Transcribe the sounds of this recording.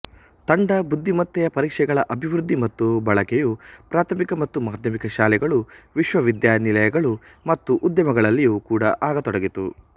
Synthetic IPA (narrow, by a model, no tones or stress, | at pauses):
t̪ɐɳɖɐbud̪ʱːimɐt̪ːɛjɐpɐɾiːkʂɛɡɐɭɐʔɐbʱiʋɾud̪ːimɐt̪ːubɐɭɐkejupɾaːt̪ʰɐmikɐmɐt̪ːumaːd̪ʱjɐmikɐʃaːlɛɡɐɭuʋiʃʋɐʋid̪jaːnilɐjɐɡɐɭumɐt̪ːuʔud̪jɐmɐɡɐɭɐlːijukuːɽɐ̰ʔaːɡɐt̪ɔɽɐɡit̪ṵ